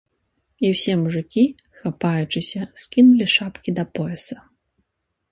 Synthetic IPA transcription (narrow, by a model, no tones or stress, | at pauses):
iwsʲɛmuʐɨkʲi | xapajut͡ʂɨsʲɐskʲinulʲiʂapkʲid̪ɐpɔɛsɐ̥